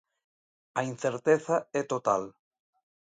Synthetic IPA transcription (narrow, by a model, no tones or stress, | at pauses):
ɐin̟θeɾt̪eθaɛt̪ot̪al